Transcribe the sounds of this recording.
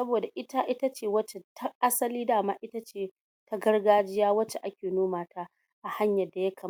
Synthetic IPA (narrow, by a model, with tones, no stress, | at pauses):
sɐ˦boː˨da˨ʔɪ˦ta˦ʔɪ˦ta˦t͡ʃeː˦˨wɐ˦t͡ʃe˦tʰa˦ʔa˦sɐ˦liː˦daː˦˨maː˦ʔɪ˦ta˦t͡ʃeː˦˨ | ta˦ɡɐ˦rɡaː˦d͡ʒɪ˦jaː˦wɐ˦t͡ʃe˦ʔa˦kʲeː˨noː˦maː˨ta˦ | ʔa˨ha˦ɲjɐ˨dːa˨jɐ˦kʰɐ˨m˦